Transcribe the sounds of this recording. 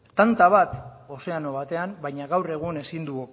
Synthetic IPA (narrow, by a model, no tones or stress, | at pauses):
t̪ant̪aβ̞at̪ | o̞se̞ano̞β̞at̪e̞ambajɲaɣawre̞ɣ̞une̞sind̪uo